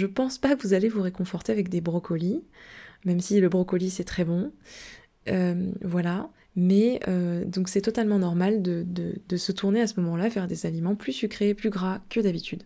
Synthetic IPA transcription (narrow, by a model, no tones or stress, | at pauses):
ʒəpɑ̃spakəvuzalevuʁekɔ̃fɔʁt̪eavɛk̚d̪ebʁɔkʰɔli | mɛmsiləbʁɔkɔlisɛt̪χɛbɔ̃ | ømvwala | mɛød̪ɔ̃ksɛt̪ɔt̪almɑ̃nɔʁmald̪əd̪əd̪əsət̪uʁneasəmɔmɑ̃lafɛʁd̪ezalimɑ̃plysykχeplyɡʁakəd̪abit̪ʰyd̪